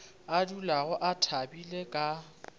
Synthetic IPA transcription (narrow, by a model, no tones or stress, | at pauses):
adulaɣʊʔatʰabilekʼa